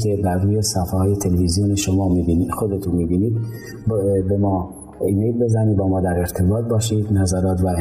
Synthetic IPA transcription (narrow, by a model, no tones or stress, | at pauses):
k̪ʰeb̪æɾruːjesæfɦɒːjet̪ʰelevizijoneʃomɒːmiːbiniːd̪xod̪et̪ʰunmiːbiːniːd̪ | bemɒː | iːmejlbe̞zæniːbɒːmɒːd̪æɾeɾt̪ʰebɒːt̪̚bɒːʃid̪næzæɾɒːt̪væ